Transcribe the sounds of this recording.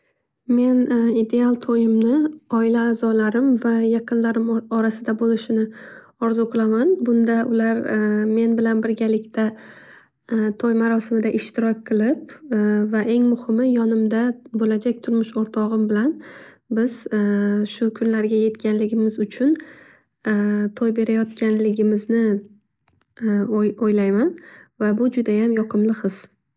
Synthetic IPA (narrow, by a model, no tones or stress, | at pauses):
me̞nid̪e̞alˠt̪ʰojɪmnɪɒɪlaːzɒlaɾɪmvajɑqʰɨnlaɾɪmɒɾasɪd̪abolɪʃɪnɪ | ɒɾzoqlˠamanbʊnd̪aʊlaɾme̞nbɪlanbɪɾɡʲalɪkʲt̪ʰa | t̪ʰojmaɾɒsɪmɪd̪aʔɪʃt̪ɪɾɒk̚ʲqʰɨlˠɪp̚vaʔe̞ŋmʊhɪmɪjɒnɪmd̪abolad͡ʒakʲt̪ʰʊɾmɪʃoɾt̪ʰɒʁɨmbɪlan | bɪz̥ʃʊkʰʊnlaɾɡʲaje̞t̪kʲanlɪɡʲɪmɪzʊt͡ʃʰʊn | t̪ʰɒjbe̞ɾajɒt̪kʲanlɪɡʲɪmɪznɪ | ojlajmanvabʊd͡ʒʊd̪ajamjɒqʰɨmlɨχɨz̥